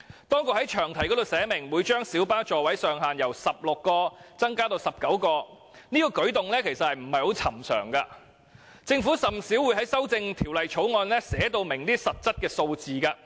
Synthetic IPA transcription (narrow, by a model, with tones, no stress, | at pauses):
t̪ɔː˥ŋkʊ˧˨hɐ˨˥jt͡ʃʰœː˨˩ŋt̪ʰɐ˨˩jkɔ˨˥d̪o˨wsɛː˨˥mɪ˨˩ŋwuː˨˧˥jt͡ʃœː˥ŋsiː˨˥wpaː˥t͡ʃɔː˨wɐ˨˥jsœː˨ŋɦaː˨njɐ˨˩wsɐ˨p̚lʊ˨kːɔː˧t͡sɐ˥ŋkaː˥t̪o˧wsɐ˨˩p̚kɐ˨˥wkɔː˧ | niː˥kɔː˧kɵ˨˥ɥt̪ʊ˨ŋlɛː˥kʰe˨˩jsɐ˨t̚hɐ˨jm̩˨˩hɐ˨jho˨˥wt͡sʰɐ˨˩msœ̰ː˨˩ŋka˧ | t͡sɪ˧ŋfuː˨˥sɐ˨˩msi˨˥wːu˨˧jɦɐ˨˥jsɐ˥wt͡sɪ˧ŋt̪ʰiː˨˩wlɐ˨jt͡ʃʰo˨˥wŋɔː˧nlɛː˥sɛː˨˥t̪o˧wmɪ˨˩ŋt̪iː˥sɐ˨t̚t͡sɐ˥t̚kɛː˧so˧wt͡siː˨kaː˧